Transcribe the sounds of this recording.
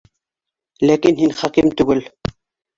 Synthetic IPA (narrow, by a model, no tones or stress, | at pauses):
lækinhinχækimt̪ʉɡɘl